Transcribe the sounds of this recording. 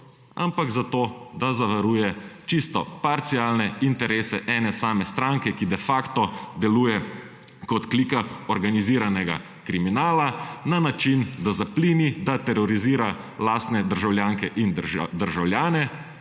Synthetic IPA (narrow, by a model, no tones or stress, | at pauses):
a̰mpaɡzat̪oːd̪azaʋaɾuːjɛt͡ʃist̪ɔpaɾt̪siaːlnɛint̪ɛɾeːsɛʔɛːnɛsaːmɛst̪ɾaŋkɛkid̪ɛfakt̪ɔd̪ɛluːjɛ | kɔt̪kliːkaɔɾɡaniziːɾanɛɡa̰ | kɾiminaːlananat͡ʃind̪azapliːnid̪at̪ɛɾɔɾiziːɾa | laːst̪nɛd̪əɾʒawljaːŋkɛʔind̪əɾʒawljaːnɛ